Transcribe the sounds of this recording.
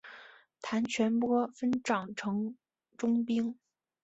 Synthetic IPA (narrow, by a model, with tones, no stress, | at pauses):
t̪ʰa˧˥nt͡ɕʰɥɛ˧˥npwɔ˥fə˥nʈ͡ʂɑ˨˩ŋʈ͡ʂʰɤ˧˥ŋ | ʈ͡ʂʊ˥ŋpi˥ŋ